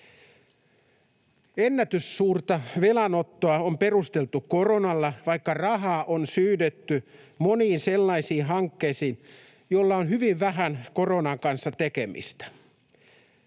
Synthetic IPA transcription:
enːæt̪ysːuːrt̪ɑʋelɑnot̪ːoɑomperust̪elt̪uko̞ronɑlːɑʋɑikːɑrɑɦɑːʔonsyːdet̪ːy | moniːnselːɑisiːnɦɑŋkːeisiːn | jolːɑonhyʋiʋʋæɦænkoronɑŋkɑnsːɑt̪ekemḭst̪æ̥

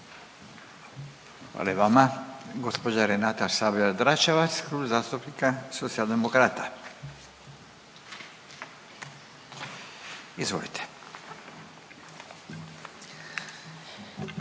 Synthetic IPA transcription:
xʋa̰ːleeʋamaɡospod͡ʒaɾenat̪asaːbiad̪ɾat͡ʃaʋat̪skɾuːbzaːst̪upnikasot̪sialˠd̪emokɾaːt̪a | izʋo̰lit̪ʰe̥

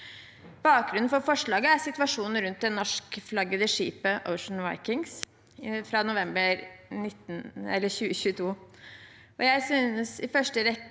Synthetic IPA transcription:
b̥ɑːk̚ɡɾʉnn̩fɔɾfɔʂɭɑːɡəæɾsɪt̪ʉʋɑʂuːnn̩ɾʉnt̪̚d̪ɛnnːɔʂkflɑɡːəd̪əʂiːpəʔə̰ʊʂn̩ʋɑ̰ɪkɪŋs | fɾɑnʊʋɛmbəɾnɪt̪ːn̩ɛ̰lːəɾçʉːəɕʉːət̪ʰuː | ʔɔjæɪsyːnəsɪfœʂʈəɾɛ

